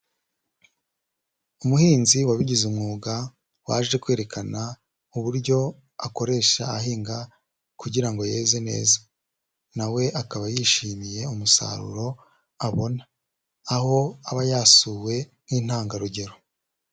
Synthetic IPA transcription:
umuhiːnziwaβiɟizumŋuːɡa | waːʒe̞kwe̞ːɾe̞kʰana | uβuɾɟo̞ | ako̞ɾe̞ːʃa̰ːɦiːŋɡa | kuɟiɾaŋɡoje̞ːze̞ne̞̰ːzḁ | nawe̞ʔakaβajiʃiːmije̞umusa̰ɾṵɾo̞ | aβo̞naː | ho̞aβajaːsuːwe̞n̥iːn̥haːŋɡaɾuɟe̞ɾo̞

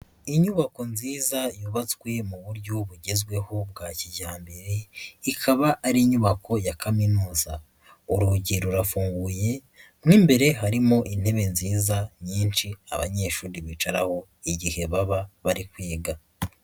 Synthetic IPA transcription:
iɲuβako̞nziːzajuβat͡sɡwe̞muβuɾɟo̞βuɟezɡwe̞ho̞b̚ɡaciɟaːmbeɾeikʰaβaʔːɾiɲuβakʰo̞jakʰaminuːza̰ | uɾuɟiɾuɾafuːŋɡuje̞ | mŋiːmbe̞ɾe̞ɦaɾimo̞ʔin̥he̞βe̞nziːzaɲiːnt͡ʃia̰βa̰ɲe̞ʃuːɾiβit͡ʃaɾa̰ho̞ | iɟihe̞βaβaβaɾikweːɡa

